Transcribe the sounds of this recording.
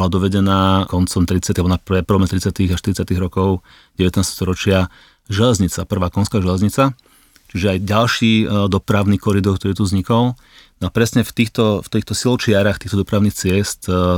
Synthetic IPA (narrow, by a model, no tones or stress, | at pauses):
lad̪ɔʋɛɟɛnaːkɔnt͡sɔmt̪ɾit͡sɪat̪iabɔnapɾɛpɾɔmɛt̪ɾit͡sɪat̪iɣaʃt̪iɾit͡sɪat̪iɣɾɔkɔʊ | ɟɛʋɛt̪nast̪ɛst̪ɔɾɔt͡ʃɪa | ʒɛlɛzɲit͡sa̰pr̩ʋaːkɔnskaːʒɛlɛzɲit͡sa | t͡ʃiʒɛajɟalʃiːd̪ɔpɾaʊnikɔɾid̪ɔɾk̚t̪ɔɾiːt̪uzɲikɔl | nɔapɾɛsɲɛft̪iːxt̪ɔft̪iːxt̪ɔsilɔt͡ʃɪaɾaxt̪iːxt̪ɔd̪ɔpɾaʊnixt͡sɪɛst̪